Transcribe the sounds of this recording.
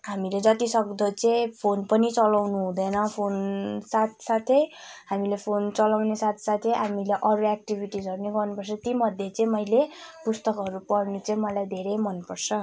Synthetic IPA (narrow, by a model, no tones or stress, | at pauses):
ɦamiled͡zʌt̪isʌkd̪ʌt͡sʌĩpʰonpʌnit͡sʌlawnuɦũd̪ʌjnʌpʰonsat̪ʰsat̪ʰeɦamilepʰont͡sʌlawnesat̪ʰsat̪ʰeɦamileʔʌɾuak̚ʈibʱiʈisʌrneɡʌrnupʌrt͡sʰʌt̪imʌd̪ʱjet͡sʌĩmʌjlepust̪ʌkɦʌɾupʌrnut͡saĩmʌlajd̪ʱeɾejmʌnpʌrt͡sʰʌ